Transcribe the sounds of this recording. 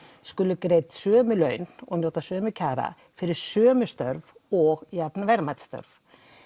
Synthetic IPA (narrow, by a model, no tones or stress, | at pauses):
skʏlʏkɾeːjt̪sœːmʏlœɥnɔ̰ɣnowt̪asœːmʏcʰaːɾa̰ | fɪɾɪɾ̥sœːmʏst̪œɾvɔɣjapnavɛɾmajt̪st̪œ̰ɾv